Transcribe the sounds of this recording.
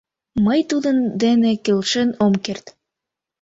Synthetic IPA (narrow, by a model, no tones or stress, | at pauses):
mɤjt̪ud̪ɤ̆nd̪enĕkĕlʃĕnomkert̪